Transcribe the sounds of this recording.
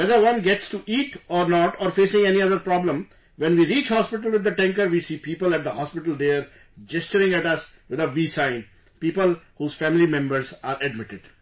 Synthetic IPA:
ʋɛd̪əɾʋʌ̃nɡɛʈsʈuʔiːʈɔːɾnɔːʈɔːɾfeːsɪ̃ŋɛniʌd̪əɾpɾɔːblə̃m | ʋɛ̃nʋiːɾiːt͡ʃhɔːspɪʈəlʋɪd̪ːəʈɛ̃ŋkəɾʋiːsiːpiːpəlæʈ̚d̪əhɔːspɪʈəlɖeːəɾ | d͡ʒɛst͡ʃəɾɪ̃ŋæʈʌs | ʋɪd̪əʋiːsãɪ̃n | piːpəlhuːz̥fæ̃ːmɪlimɛ̃mbəɾzaːɾɛɖmɪʈɪɖ

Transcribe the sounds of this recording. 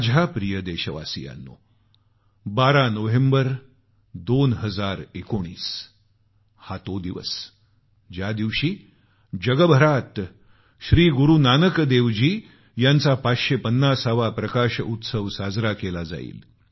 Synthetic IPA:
d͡ʑʱapɾijəd̪eɕəʋa̰sija̰nːo̰ | baɾanəʋembəɾ | d̪onɦəd͡zaɾekoɽ̃iːs | hat̪od̪iʋə̰s | d͡ʑjad̪iʋɕiː | d͡ʑəɡəbʱəɾat̪ | ɕɾiːɡuɾunanəkd̪eʋd͡ʑiː | jant͡sapat̪ɕepənːasaʋapɾəkaɕut̪səʋsad͡zɾakelad͡za̰ḭːl

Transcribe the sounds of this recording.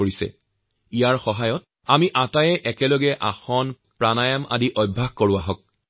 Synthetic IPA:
oɹisɛ̰ | ijaɹxɔɦajɔt̚ | amiʔatajɛʔɛkɛlɔɡɛʔa̰xɔn | pɹanajama̰diʔɔjbʱːaxkoɹuaɦɔk̚

